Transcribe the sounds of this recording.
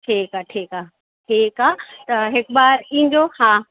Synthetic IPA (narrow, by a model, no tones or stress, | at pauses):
ʈʰiːkaʈʰiːkaː | ʈʰiːkaːt̪ɐɦɪkbaːɾĩːn̆dohãː